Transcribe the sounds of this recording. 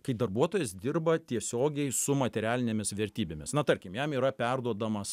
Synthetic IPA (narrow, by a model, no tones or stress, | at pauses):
kɐɪd̪ɐrbuɔt̪oːjɛsd̪ʲɪrbɐt̪ʲiɛsʲoːɡʲɛɪsʊmɐt̪ʲɛɾʲæːlʲɪnʲeːmʲɪsʋʲɛɾʲt̪ʲiːbʲemʲɪsnɐt̪ɐɾʲkʲɪmjɛmiːɾɐpʲɛrd̪uɔd̪ɐmɐs